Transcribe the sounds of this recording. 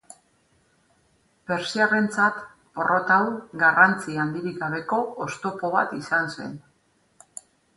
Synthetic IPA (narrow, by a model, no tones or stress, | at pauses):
pe̞ɾsiare̞nt͡sat̪ | po̞rʔo̞t̪awɡarant͡siand̪iɾiɡaβe̞ko̞ost̪o̞po̞β̞a̰t̪isanse̞̰n